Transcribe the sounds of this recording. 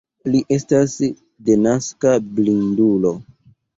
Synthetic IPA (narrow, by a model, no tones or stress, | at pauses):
liʔe̞stas | de̞naskablindulo̞